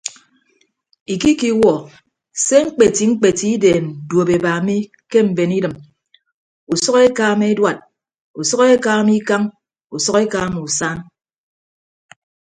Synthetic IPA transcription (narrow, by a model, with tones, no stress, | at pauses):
i˨ki˦ki˦wɔ˨ | se˦ŋ͡m̩˦k͡pe˨ti˨ŋ͡m̩˦k͡pe˨ti˦i˦deː˨n̩˨dwo˨be˨baː˨mi˦ | ke˦m̩˨be˨ni˦dɨ˨m | u˨sɔ˦ke˦kaː˦me˦e˦dwa˨t̚ | u˨sɔ˦ke˦kaː˦mi˦ka˦ŋ | u˨sɔ˦ke˦kaː˦m˨u˨sa˦n